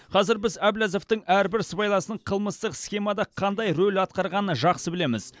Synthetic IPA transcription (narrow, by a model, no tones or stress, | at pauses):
qʰɑzɪɾbɪzæblæzo̞ft̪əŋæɾbɪɾsbɑjlˠɑsənəɴqʰəlˠməst̪əqsχʲe̞mɑd̪ɑqʰɑnd̪ɑjɾɵlɑt̪qɑɾʁɑnəʒɑqsəbɪle̞mɪz